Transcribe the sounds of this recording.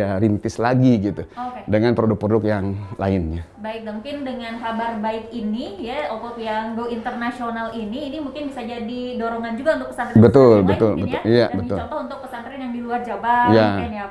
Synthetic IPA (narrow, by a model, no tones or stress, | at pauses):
aɾint̪ɪslaɡiɡit̪uokedəŋanpɾodʊk̚pɾodʊk̚jaŋla̰ɪnɲa | baɪk̚damuŋkɪndəŋanɦabarbaɪkinijaokɔkjaŋɡoint̪ərnasionaliniːnimuŋkɪnbisad͡ʒadidoɾoŋand͡ʒuɡaunt̪ʊk̚pəsanbət̪ʊlbət̪ʊlbəʊ̰ija̰bət̪ʊ̰ɔnt̪ɔhunt̪ʊk̚pəsandɾɪnjaŋdiluard͡ʒabaijanja